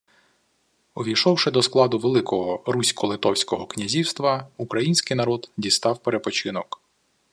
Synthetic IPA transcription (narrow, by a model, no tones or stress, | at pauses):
ɔʋʲijʃɔwʃɪd̪ɔsklˠɑd̪ʊʋelˠɪkɔɦɔɾusʲkɔlˠɪt̪ɔwsʲkɔɦɔknʲɐzʲiwst̪ʋɐukɾɐjinʲsʲkɪjnɐɾɔd̪dʲist̪ɑwpeɾepɔt͡ʃɪnɔk